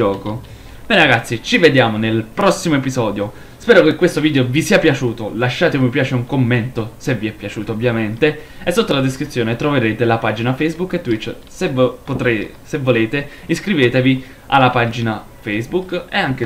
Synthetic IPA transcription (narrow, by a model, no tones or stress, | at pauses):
ɔːko | b̥ɛːneɾaɡat̪sːit͡ʃived̪jaːmonelpɾɔsːimoepizɔːd̪jo | spɛːɾokekːwest̪oviːd̪eovisiːapjat͡ʃuːt̪olaʃːaːt̪evipjaːt͡ʃeuŋkomːent̪oseviɛpːjat͡ʃuːt̪oovːjament̪e | esːot̪ːolad̪eskɾit̪sːjoːnet̪ɾoveɾeːt̪elapad͡ʒinafejzbukːet̪ːwit̪ː | sepot̪e | sevːoleːt̪e | iskɾiveːt̪evi | a̰lːapad͡ʒina | fejzbukeaŋke